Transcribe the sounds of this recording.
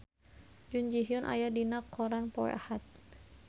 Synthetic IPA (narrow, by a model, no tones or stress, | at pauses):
d͡ʒund͡ʒiɦiɔnʔa̰jadinakʰːɔɾanpɔɛ̰ʔahat̪̚